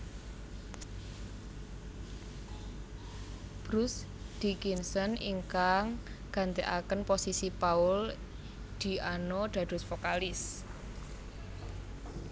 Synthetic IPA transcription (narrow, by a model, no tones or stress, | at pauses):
b̥ɾʊs | d̪̥ikinsənḭŋkaŋɡ̥ä̤nt̪eʔa̰kənposisipaʊl | d̪̥i̤anod̪̥ä̤d̪̥ʊ̤sfokalɪs